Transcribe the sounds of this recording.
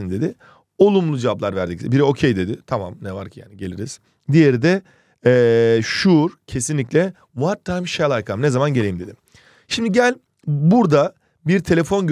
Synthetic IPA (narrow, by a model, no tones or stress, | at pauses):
ind̪e̞d̪i | o̞lˠumlˠud͡ʒevablˠaɾvæɾd̪icsbiɾɛo̞cʰejd̪e̞d̪ɪt̪ʰama̰mnɛvaɾcʰi̥ja̰ːniɟe̞lʲiɾiz̥ | d̪ije̞ɾid̪ɛ | ɛːʃuɾcʰe̞sinlʲiclʲɛ | vaɾt̪ʰːajmʃɛlˠajkʰamnɛzamanɟelʲejimd̪e̞d̪im | ʃimd̪iɟælʲ | buɾd̪a | biɾt̪ʰe̞lʲefo̞nɟø